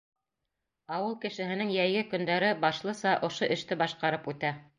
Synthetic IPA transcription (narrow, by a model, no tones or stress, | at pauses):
ɑwɤlˠkɘ̆ʃɘ̆ɦɘ̆nɘŋjæjɡɘkɵ̆nd̪æɾɘbɑʃlˠɤsɑʔŏʃoʔɘ̆ʃt̪ɘbɑʃqɑɾɤpʉt̪æ